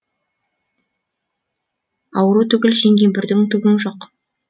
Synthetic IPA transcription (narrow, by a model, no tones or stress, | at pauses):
ɑwəɾut̪ʰʏɡʲɪlʃe̞ŋɡʲenbɪɾd̪ɪŋt̪ʏɡʲɪŋʒoq